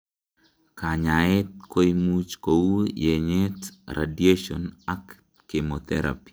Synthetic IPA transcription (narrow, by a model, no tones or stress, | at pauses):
kaɲaɪt̪̚koimut͡ʃkowujeɲetɾʔa̰dieʃɔ̰nakː | emot̪ɛ̰ɾa̰pi̥